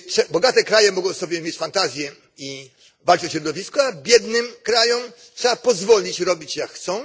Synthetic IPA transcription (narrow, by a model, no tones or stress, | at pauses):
tʂɛbɔɡat̪ɛkɾajɛmɔɡɔ̃w̃sɔbʲjɛmʲjet͡ɕfant̪azʲjɛ | i | valt͡ʂɨɔɕɾɔd̪ɔvʲiskɔabʲjɛd̪nɘmkɾajɔm | tʂɛapɔzvɔlʲit͡ɕɾɔbʲit͡ɕjakxt̪sɔ̃w̃